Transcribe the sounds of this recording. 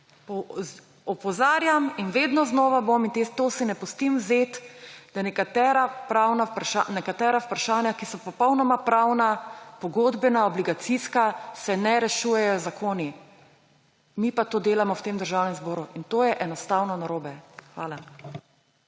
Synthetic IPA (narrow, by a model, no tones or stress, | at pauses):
pɔ | ɔpɔzaːɾjaminʋeːd̪nɔznɔːʋabomint̪et̪osinɛpɔst̪imwzet̪d̪anɛkat̪ɛːɾapɾawnapɾaʃanɛkat̪ɛːɾaupɾaʃaːnjakisɔpɔpɔwnɔmapɾawnapɔɡoːd̪bɛnaɔbliɡat̪siskasɛnɛɾɛʃuːjɛjɔzakʰoːni | miːpat̪oːd̪eːlamɔwt̪eːmd̪əɾʒaːwnɛmzboːɾuʔint̪oːjɛʔɛnɔst̪aːwnɔnaɾoːbɛxʋaːla